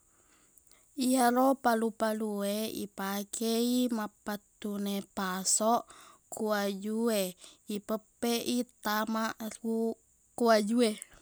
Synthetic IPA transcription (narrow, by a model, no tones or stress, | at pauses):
ialopalupalueḭpakʰeimapat̪unepasɔʔ | kuad͡ʒueipəpeʔit̪amaʔku | kuad͡ʒue